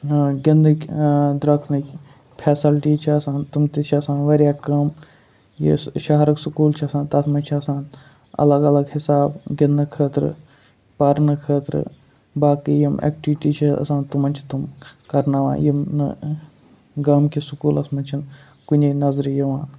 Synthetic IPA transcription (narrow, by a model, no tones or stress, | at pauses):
ɡind̪ɨkd̪ɾɐk̪nik | pʰeːsilʈiːt͡ʃʰiɐsãːnt̪umt̪et͡ʃʰiɐsãːnʋɐɾjaːkɐm | jḭʃɐɦɾɐksukuːlt͡ʃʰiɐsãːnt̪ɐsmɐt͡ʃʰiɐsãːn | ɐ̰lɐɡɐlɐɡhɪsaːbɡind̪ɨkʰəːt̪ɾɨ̰ | pɐɾnɨkʰəːt̪ɾɨ̰ | baːkiːjimʔḛːk̚ʈiʋʈiːt͡ʃʰiɐ̰sãːnt̪umɐnʲt͡ʃʰi̥t̪umkɐɾnaːʋa̰ːjimn | ɡaːmkʰisukuːlɐsmɐ̃t͡ʃʰin | kʊnʲeːnɐzɾjiʋãːn